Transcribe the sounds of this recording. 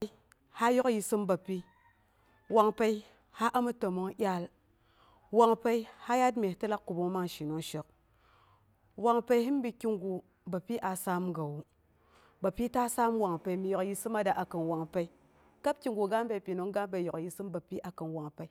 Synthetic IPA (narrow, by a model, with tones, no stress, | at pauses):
ha˦jo˦kji˧sɨ˦mba˨pi˦ | wa˨ŋpe˦i˦ | ha˦ʔa˦mu˦tə˨mo˦ŋjʲa˦l | wa˨ŋpe˦i˦ha˦ja˦dme˨tɨ˦la˦kkːu˨bu˦ŋ˦ma˦ŋʃi˨no˦ŋʃə˨k̚ | wa˨ŋpe˦i˦ɦi˦mbi˨˧ki˦ŋɡu˨ | ba˨pi˦ʔa˨sa˦mɡa˨wu˨ | ba˨pi˦ta˦sa˦mwa˨ŋpe˨i˦mi˨jo˨kji˦sɨ˦ma˦da˨ʔa˨kɨ˨nwa˨ŋpe˦i˦ | ka˦b̚kʲi˦ŋɡu˨ɡa˦mbe˨pi˨no˨˦ŋɡa˦mbe˨˦jo˨kji˨sɨ˦mba˨pi˦ʔa˨kɨ˨nwa˨ŋpe˨i˦